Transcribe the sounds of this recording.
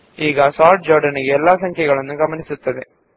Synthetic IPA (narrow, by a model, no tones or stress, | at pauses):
iːɣasaːʈ̚d͡ʑoːɾɖɐniɣelːaːsɐŋkʰjɐɣɐɭonːuɡɐmɐnisut̪ːɐðɨ